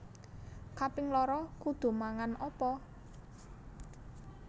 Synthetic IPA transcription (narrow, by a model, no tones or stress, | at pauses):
kapɪŋlɔɾɔkud̪̥o̤maŋanɔpɔ